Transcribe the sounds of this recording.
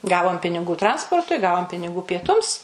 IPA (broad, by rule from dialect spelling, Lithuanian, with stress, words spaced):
ˈɡɑːʋoːm pʲɪnʲɪˈɡuː ˈtrɐnspoːrtʊɪ ˈɡɑːʋoːm pʲɪnʲɪˈɡuː pʲiɛˈtʊms